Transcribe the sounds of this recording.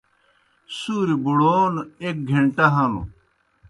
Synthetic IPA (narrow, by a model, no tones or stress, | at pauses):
suːɾibuɽoːnek̚ɡʱeɳʈɐɦɐnṵ